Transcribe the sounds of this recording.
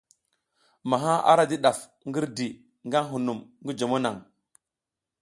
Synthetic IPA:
ma˨ɦa˦ʔa̰˦ɾa˦di˦ɗa˨f | ŋɡi˦ɾdi˨ | ŋɡa˦nɦu˨nu˨mŋɡi˦d͡ʒo˨mo˦na˨ŋ

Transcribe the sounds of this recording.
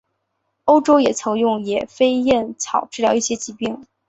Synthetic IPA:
o˥ʊʈ͡ʂo˥ʊjɛ˨˩t͡sʰɤ˧˥ŋjʊ˥˩ŋjɛ˨˩fe˥ɪjɛ˥˩nt͡sʰɑ˨˩ʊʈ͡ʂɻ̩˥˩ljɑ˧ʊi˥˩ɕjɛ˥t͡ɕi˧˥pi˥˩ŋ

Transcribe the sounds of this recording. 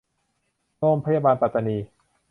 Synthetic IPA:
ɾoː˥˩mpʰa˧˦jaː˧baː˧npa˨t̪ːa˧niː˧

